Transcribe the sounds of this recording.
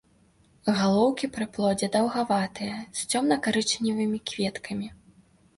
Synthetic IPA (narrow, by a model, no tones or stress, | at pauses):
ɣalˠɔwkʲipɾɨplˠɔd͡zʲɛd̪ɐwɣavat̪ɨjɛst͡sʲɔmnɐkaɾɨt͡ʂnʲivɨmʲikvʲɛt̪kʰɐmʲi